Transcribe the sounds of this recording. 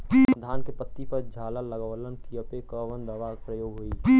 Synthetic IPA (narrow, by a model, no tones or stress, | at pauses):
d̪ʱaːnkepət̪ːipəɾd͡ʒʱaːlələɡələnkijəpekəʋənd̪əʋapɾəjoːɡɦoi